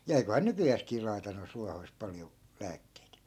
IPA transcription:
jɑ eikohɑː nykyjæːskiː lɑi̯tɑ noist̆ ruɑhoist pɑljo læːkːeit

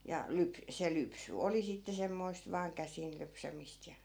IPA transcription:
jɑ lyp se lypsy oli sitːe semːoist ʋɑːŋ kæsin lypsæmist jɑ

